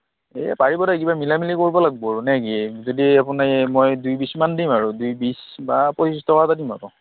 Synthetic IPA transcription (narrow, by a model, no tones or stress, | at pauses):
ɛ̰paɹibɔtak̬ibamilamilikoɹibɔlaɡ̚bɔɹunɛkizodiapunamɔjdujbismandimaɹudujbis | bapɔt͡ʃistɔkatadima̰kɔ